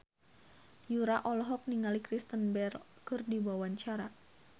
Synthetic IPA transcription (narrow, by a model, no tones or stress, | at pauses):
juɾaʔɔlɔɦɔk̚niŋalikɾist̪ənbɛrkɨrdibawaɲt͡ʃaɾa